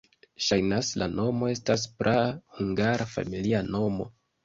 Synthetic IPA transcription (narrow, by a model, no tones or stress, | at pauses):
ʃajnaslano̞mo̞e̞stas̬pɾʔahuŋɡaɾafa̰miliano̞mo̞̰